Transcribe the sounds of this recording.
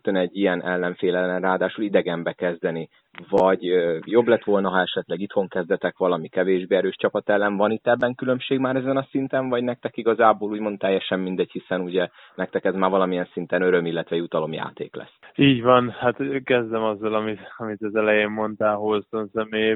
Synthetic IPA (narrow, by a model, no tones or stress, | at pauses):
t̪ønɛɟːijɛnʔɛ̰lːɛɱfeːlɛlːɛnraːd̪aːʃulid̪ɛɡɛmbɛkɛzd̪ɛni | vɒɟøjo̞blɛt̪ʋo̞lnɒɦɒɛʃɛt̪lɛɡit̪ho̞ŋkɛzd̪ɛt̪ɛkʋɒlɒmikɛveːʒbeːɛɾøːʃt͡ʃɒpɒt̪ɛlːɛnvɒnit̪ːɛbːɛŋkylø̞mʃeːɡmaːɾɛzɛnɒsint̪ɛɱvɒɟnɛk̚t̪ɛkiɡɒzaːboːluːɟmo̞nt̪ːɛjːɛʃɛmmind̪ɛɟhisɛnuɟɛ | nɛk̚t̪ɛkɛzmaːrvɒlɒmijɛnsint̪ɛnø̞ɾø̞milːɛt̪ʋɛjut̪ɒlo̞mja̰ːt̪ḛːklɛ̰sːiːɟvɒnhat̪kɛzd̪ɛmɒzːɒlɒmit̪ɒmit̪ɛzɛlɛjeːmmo̞nt̪aːlɦolsonsɛmeː